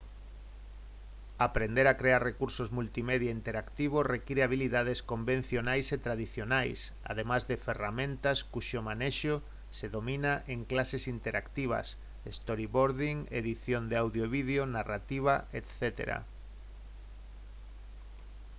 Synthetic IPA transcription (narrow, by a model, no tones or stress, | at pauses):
apɾend̪eɾakɾeaɾrekuɾsozmult̪imeðjaint̪eɾakt̪iβ̞osrekiɾeaβ̞iliðað̞eskombẽn̟θjonajset̪ɾaðiθjonajsa̰ð̞emazðeferamẽnt̪askuʃomaneʃo | seðomĩnaʔeŋklasesint̪eɾʔakt̪iβ̞a̰s | est̪oɾiβoɾðiŋḛðiθjond̪eawðjoβiðjonarat̪iβ̞aʔet̪θet̪ḛɾa̰